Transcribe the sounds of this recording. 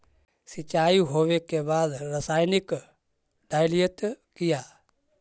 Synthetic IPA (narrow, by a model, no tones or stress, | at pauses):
sɪt͡ʃaːiɦoːʋekebaːd̪ɾəsaːjnɪk | ɖaːjlijət̪kɪjaː